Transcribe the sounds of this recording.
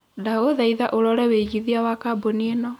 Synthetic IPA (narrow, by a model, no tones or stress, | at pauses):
daoðaiðaʔoɾɔɾɛweɣiðiawakabonienɔ